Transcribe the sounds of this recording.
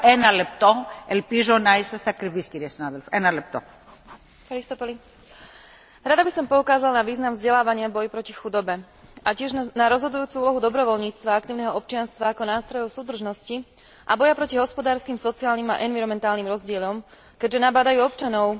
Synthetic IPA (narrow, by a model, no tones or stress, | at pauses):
enɐlep̚t̪oelpizonaist̪est̪akɾivisciɾiesinaðelfenɐlep̚t̪o̰ | ɾist̪ɔpɔli | ɾad̪abisɔmpɔukaːzalnaʋiːznamvzɟɛlaːʋaɲɪavbɔjipɾɔcixud̪ɔbɛ | ʔacɪɛʒnaɾɔzɦɔd̪ujuːt͡suuːlɔɦud̪ɔbɾɔʋɔlɲiːt͡st̪ʋaak̚t̪iːʊnɛɦɔɔp̚t͡ʃɪanst̪ʋaːkɔnaːst̪ɾɔjɔʊsuːd̪r̩ʒnɔsci | ʔa̰bɔjapɾɔciɦɔspɔd̪aːɾskiːmsɔt͡siaːlnima̰ʔɛnʋiɾɔmɛnt̪aːlnimɾɔzɟɪɛʎɔm | kɛɟʒɛnabaːd̪ajuːɔpt͡ʃanɔʊ